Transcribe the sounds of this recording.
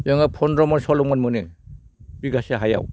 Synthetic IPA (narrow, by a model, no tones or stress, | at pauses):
jɔŋapʰɔnɾɔmɔnsɔlɔŋmɔnmɯnɯ | biɡaseɦaja̰w